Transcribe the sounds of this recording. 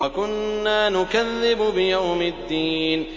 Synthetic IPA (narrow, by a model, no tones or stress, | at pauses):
ɐkʊnːaːnʊkaðːɪbʊbɪjawmɪd̪ːiːn